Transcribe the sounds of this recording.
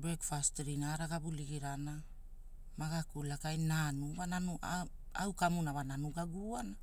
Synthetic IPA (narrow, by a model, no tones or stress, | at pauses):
bɾekfastɾinaɾaɡabuliɡiɾana | maɡakulakajnanuβananuʔa | awkamunaβananuɡaɡuana